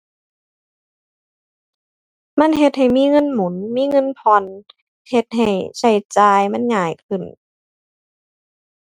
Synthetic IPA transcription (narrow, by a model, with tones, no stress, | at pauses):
ma˧˥˨nɦe˧t̪̚ha˨˩jmiː˧˥˨ŋɤ˧˥˨nmu˨˦nmiː˧˥˨ŋɤ˧˥˨npʰɔ˧n | he˧t̪̚ɦa˨˩jsa˧˩jt͡ɕaː˧jma˧˥˨nŋaː˧˩jkʰɯ˧˩n